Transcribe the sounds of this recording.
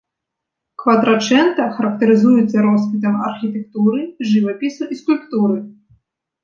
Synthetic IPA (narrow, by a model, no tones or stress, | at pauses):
kvɐd̪ɾat͡ʂɛnt̪ɐxɐɾɐkt̪ɨɾɨzujut̪sːɐɾɔspɨt̪̬ɐmɐrxʲit̪ɛkt̪uɾɨʐɨvapʲisɐʔiskulʲpt̪uɾɨ